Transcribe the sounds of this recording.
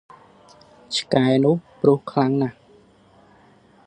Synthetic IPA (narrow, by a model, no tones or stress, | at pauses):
t͡ɕʰkaɛnʊ̆əhprŭəhkʰlaŋnah